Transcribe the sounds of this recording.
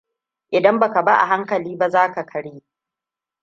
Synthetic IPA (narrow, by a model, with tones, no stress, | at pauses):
ʔɪ˨dɐ˦mba˨ka˨ba˦ʔa̰˨ɦa˦ŋkɐ˨liː˦ba˦zaː˦ka˨kʰɐ˦ɽji˦